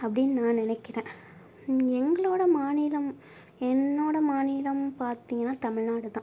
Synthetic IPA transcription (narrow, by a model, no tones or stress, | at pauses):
ɐpːɐɽɪnːɯnãːnɪnɐɪkːɪɾẽː | ɛŋɡɐɭoːɽɐmaːniːlɐm | ɛnːoːɽɐmaːniːlɐmpaːɾt̪iːŋɡɐnːaːt̪ɐmɪɻnaːɽɯt̪ã